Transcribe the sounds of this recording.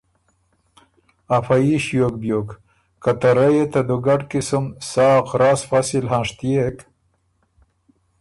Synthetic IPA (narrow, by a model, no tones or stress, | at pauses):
afajiʃjok̚bjok | kat̪aɾajet̪ad̪uɡaʈkɪsʊmsɑːqɾɑːsfɑsɪlɦɑ̃ːʂt̪ijek